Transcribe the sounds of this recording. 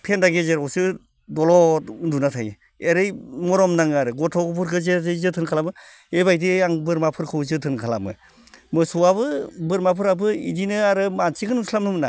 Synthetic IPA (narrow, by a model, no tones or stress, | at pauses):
pʰendaɡezeɾɔwsɯ | dɔlɔtdunatʰaj | eɾɯjmɔɾɔmnaŋaɾɯɡɔtʰɔɡɯp̬ʰuɾkʰɯzeɯjzɯtʰɯnkʰalamɯ | ebajdiaŋbɯɾmapʰɯɾkʰɯwzɯtʰɯnkʰala̰mɯ̰ | mɯsɯwaβɯbɯɾmapʰɯɾabɯḭdinɯaɾɯmansiɡɯnuŋsʰlamnɯmɯna̰